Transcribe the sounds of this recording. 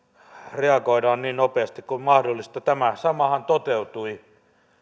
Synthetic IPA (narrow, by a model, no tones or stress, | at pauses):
reɑkoidɑːnniːnnopeɑst̪ikkummɑhdolːist̪ɑt̪æmæsɑmɑhɑnt̪ot̪eut̪ui